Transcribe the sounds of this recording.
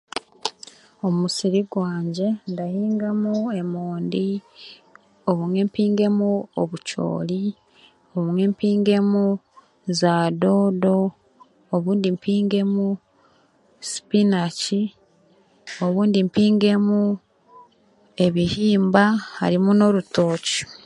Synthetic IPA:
o̞mmusiɾiɡwaːɲɟe̞ndahiːŋɡamue̞moːndi | oβuŋwe̞mpiːŋɡe̞muoβuco̰ːli | oβumwe̞mpiːŋɡe̞mu | zadodo̞ː | βuːndimpʰiːŋɡe̞mu | si̥pinaci | o̞βuːndimpiːŋɡe̞mu | e̞βihiːmbaha̰ɾimuno̞ɾuto̞ːci̥

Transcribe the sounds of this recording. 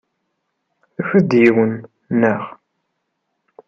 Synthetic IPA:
θəfəd̪jiwən | nːəʁ

